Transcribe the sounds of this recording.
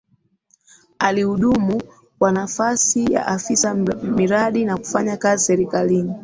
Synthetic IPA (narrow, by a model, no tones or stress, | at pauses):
alihuɗumu | kwanafasija̰ʔafisamiɾaɗinaku̥faɲakazisɛɾikalini